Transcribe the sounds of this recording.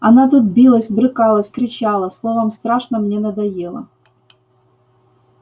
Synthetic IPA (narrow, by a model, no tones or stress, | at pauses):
ɐnat̪ut̪̚bʲilˠəsʲbɾɨkɑlˠəsʲkɾʲɪt͡ɕalˠəslˠovəmst̪ɾaʂnəmnʲenəd̪ɐjelˠə̰